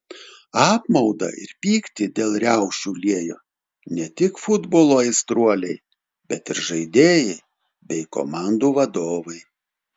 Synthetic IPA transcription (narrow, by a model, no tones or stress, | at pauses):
ɑːpmɒʊd̪ɐ̰ɪ̰ɾpʲiːkt̪ʲɪd̪ʲeːlˠɾʲæˑʊʃʲuːlʲiɛjo̰ː | nʲɛt̪ʲɪkfʊd̪boːlˠoːɛɪst̪ɾuɔlʲɛɪ | bʲɛt̪ɪɾʒɐɪd̪ʲeːjɛɪ | bʲɛɪko̰ːmɑˑnd̪uːʋɐd̪oːʋɐɪ